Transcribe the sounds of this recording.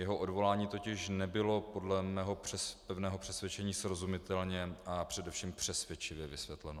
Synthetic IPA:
jɛɦoʔodvo̞laːɲiːt̪o̞cɪʃnɛbɪlo̞po̞dlɛmɛːɦo̞rɛpɛvnɛːɦo̞pr̥ɛsvjɛt͡ʃɛɲiːsɾo̞zumɪt̪ɛlɲɛapr̝̥ɛdɛfʃiːmpr̥ɛsvjɛt͡ʃɪvjɛvɪsvjɛt̪lɛno

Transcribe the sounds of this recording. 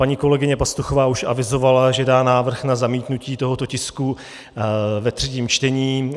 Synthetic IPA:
paɲiːko̞lɛɡɪɲɛpast̪uxo̞vaːuʃʔa̰vɪzo̞valaʒɛdaːnaːvr̩xnazamiːt̪nuciːt̪oɦo̞t̪o̞cɪsku | vɛt̪r̝̥ɛciːmt͡ʃt̪ɛɲiː

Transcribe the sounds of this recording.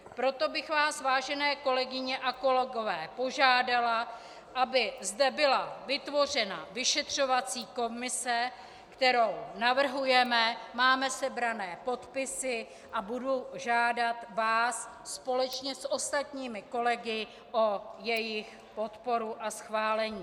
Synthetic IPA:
pɾo̞t̪o̞bɪxvaːsvaːʒɛnɛːko̞lɛɡɪɲɛʔako̞lɛɡo̞vɛːpo̞ʒaːdala | ʔabɪzdɛbɪlavɪt̪vo̞r̝ɛna̰vɪʃɛt̪r̝̥o̞vat͡siːko̞mɪsɛ | kt̪ɛɾo̞wnavr̩ɦujɛmɛmaːmɛsɛbɾanɛːpo̞t̪pɪsɪ | ʔabuduʒaːdat̪vaːsː | po̞lɛt͡ʃɲɛsʔo̞st̪at̪ɲiːmɪko̞lɛɡɪ | ʔo̞jɛjɪx | po̞t̪po̞ɾuʔasxvaːlɛɲiː

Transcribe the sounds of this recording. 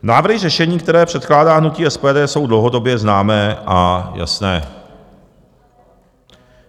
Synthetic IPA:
naːvr̩ɦɪrɛʃɛɲiːkt̪ɛɾɛːpr̝̥ɛt̪klaːdaːɦnuciːʔɛspɛːdɛːso̞wdlowɦo̞do̞bjɛznaːmɛːʔaja̰snɛː

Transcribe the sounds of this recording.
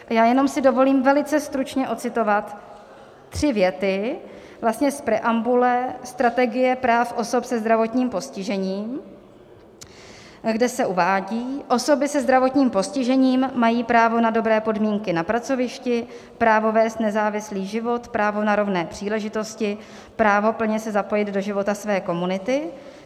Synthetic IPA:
jaːjɛno̞msɪdo̞vo̞liːmvɛlɪt͡sɛst̪ɾut͡ʃɲɛʔo̞t͡sɪt̪o̞vat̪ː | r̝̥ɪvjɛt̪ɪ | vlast̪ɲɛspɾɛʔambulɛst̪ɾat̪ɛɡɪjɛpɾaːfʔo̞sopsɛzd̪ɾavo̞t̪ɲiːmpo̞scɪʒɛɲiːm | ɡdɛsɛʔuvaːɟiːʔo̞so̞bɪsɛzd̪ɾavo̞t̪ɲiːmpo̞scɪʒɛɲiːmːajiːpɾaːvo̞nado̞bɾɛːpo̞dmiːŋkɪnapɾat͡so̞vɪʃcɪ | pɾaːvo̞vɛːst̪nɛzaːvɪsliːʒɪvo̞t̪pɾaːvo̞naɾo̞vnɛːpr̝̥iːlɛʒɪt̪o̞scɪ | pɾaːvo̞pl̩ɲɛsɛzapo̞jɪd̪do̞ʒɪvo̞t̪asvɛːko̞munɪt̪ɪ

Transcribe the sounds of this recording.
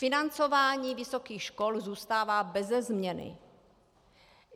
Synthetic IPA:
fɪnant͡so̞vaːɲiːvɪsokiːxʃkolzuːst̪aːvaːbɛzɛzmɲɛnɪ̰

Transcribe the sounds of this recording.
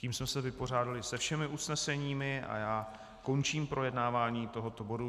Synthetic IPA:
ciːmsmɛsɛvɪpo̞r̝aːdalɪsɛfʃɛmɪʔusnɛsɛɲiːmɪʔa̰jaː | ko̞nt͡ʃiːmpɾo̞jɛdnaːvaːɲiːt̪o̞ɦo̞t̪o̞bo̞du

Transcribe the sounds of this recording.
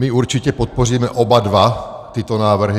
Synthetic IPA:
miuɾt͡ʃicɛpɔt̪̚pɔriːmɛʔɔbad̪ʋat̪it̪ɔnaːʋr̩ɦi

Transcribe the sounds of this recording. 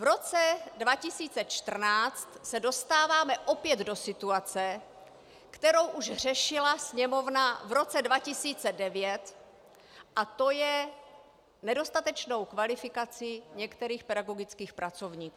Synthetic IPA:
vɾo̞t͡sɛdvacɪsiːt͡sɛt͡ʃt̪r̩naːt͡st̪sɛdo̞st̪aːvaːmɛʔo̞pjɛd̪do̞sɪt̪uat͡sɛ | kt̪ɛɾo̞wʔuʒɦr̝ɛʃɪlasɲɛmo̞vnavɾo̞t͡sɛdvacɪsiːt͡sɛdɛvjɛt̪ | ʔat̪o̞jɛ | nɛdo̞st̪at̪ɛt͡ʃno̞wkvalɪfɪkat͡sɪɲɛkt̪ɛɾiːxpɛdaɡo̞ɡɪt͡skiːxpɾat͡so̞vɲiːkuː

